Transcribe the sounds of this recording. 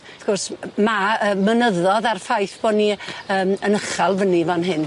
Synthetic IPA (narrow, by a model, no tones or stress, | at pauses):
aθkɔrsmaəːmənəðɔðarfajθb̥ɔniəːmənəχɛlˠvənivanɦɪn